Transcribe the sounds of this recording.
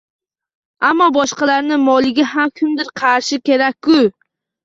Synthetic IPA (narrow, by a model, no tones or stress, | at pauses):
amːɒbɒʃqɑlaɾnɪmɒlˠɪɡʲaɦamkʲʰʊmd̪ɪɾqʰɑɾʃɪkʲe̞ɾakʲːʊ